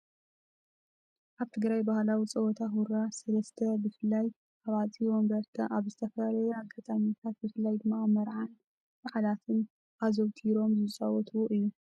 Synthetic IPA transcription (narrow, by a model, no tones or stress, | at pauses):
ʔaβt̪ʰɨɡɾajbahlawit͡sʼɐwɔt̪ʰaxuɾasɐlɐst̪ʰɐbɨfɨlːaj | ʔaβat͡st̪ʼiwɔmbɐɾt̪ʰɐʔaβzɨt̪ʰɐfɐlalɐjakʰat̪ʼaɲːat̪ʰat̪bɨfɨlːajd̪ɨmːamɐɾʕan | baħalat̪ʰɨn | ʔazowt̪ʰiɾo̞mzɨt͡sʼawɔt̪ʰwoʔɨjːu